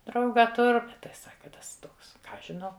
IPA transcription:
ˈdrɐʊɡɐ ˈtʊr ˈbʲɛt tɐɪ ˈsɑːkɐ ˈtɐs ˈtoːks ˈkɑː ˈɐʃ ʒʲɪˈnɐʊ

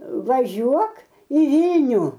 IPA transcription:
ʋɐˈʒʲuɔk iː ˈʋʲiːlʲnʲuː

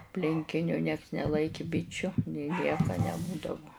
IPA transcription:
ɐpʲlʲɪŋʲˈkʲɪnʲʊ nʲiɛks nʲɛˈlˠɐɪkʲɪ ˈbʲɪt͡ʃʲʊ nʲeː ˈnʲiɛkɐ nʲɛˈbuːdɐʋʊ

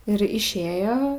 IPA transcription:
ɪr ɪʃʲˈeːjoː

